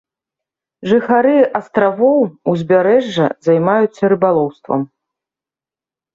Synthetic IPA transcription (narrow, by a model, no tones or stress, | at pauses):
ʐɨxaɾɨʔɐst̪ɾavɔwuzʲbʲaɾɛʐːɐ̰zajmajut̪sːɐɾɨbalˠɔwst̪vɐ̰m